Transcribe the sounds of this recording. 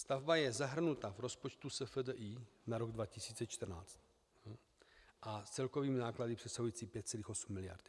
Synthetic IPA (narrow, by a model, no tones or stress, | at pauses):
st̪avbajɛzaɦr̩nut̪avɾo̞spot͡ʃt̪usɛfədəʔiːnaɾo̞ɡdvacɪsiːt͡sɛt͡ʃt̪r̩na̰ːt͡st̪̚ | ʔast͡sɛlko̞viːmɪnaːkladipr̝̥ɛsaɦujiːt͡siːpjɛt̪t͡sɛliːxo̞sumːɪlɪja̰ɾd̪